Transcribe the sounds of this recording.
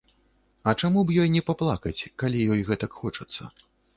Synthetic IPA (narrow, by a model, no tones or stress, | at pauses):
ɐt͡ʂamubjɔjnʲɛpaplˠakɐt͡sʲkalʲijɔjɣɛt̪ɐkxɔt͡ʂɐt̪sːɐ̰